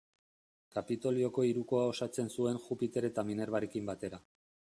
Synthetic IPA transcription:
kapit̪o̞lio̞ko̞iɾuko̞ao̞sat͡se̞nsue̞nxupit̪e̞ɾe̞t̪amine̞ɾβaɾe̞kimbat̪e̞ɾa

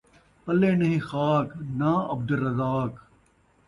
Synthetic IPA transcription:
pɐleːnɐɦĩxaːknaɐb̚d̪ɐɾːɐzaːk

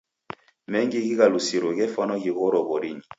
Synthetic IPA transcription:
mɛŋɡiɡiɣalusiɾoɣɛfɔnɔɡiɣɔɾɔbɔɾiɲi

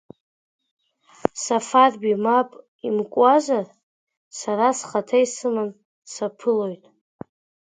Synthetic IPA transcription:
safarbimapʼ | imkʷʼazar | saɾasχatʰajsɨman | sapʰɨlo̞jtʼ

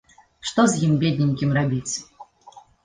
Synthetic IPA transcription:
ʂt̪ɔzʲjimbʲed̪ʲnʲinʲkʲimrabʲit͡sʲ

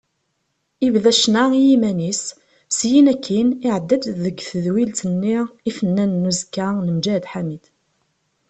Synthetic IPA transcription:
ivðæʃnaijimænis | sjinækʰːinɪʕəd̪ːæd̪ðəɡθəðwilt̪ənːiifənːænːuzkːanəmd͡ʒæd̪ħamid̪̥

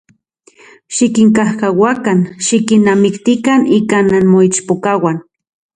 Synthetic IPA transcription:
ʃikiŋkahkawakanʃikinːamikt̪ikanikananmoit͡ʃpokawan

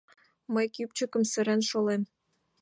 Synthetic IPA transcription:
məjkyp̚t͡ɕə̆kə̆msə̆ɾænʃolem

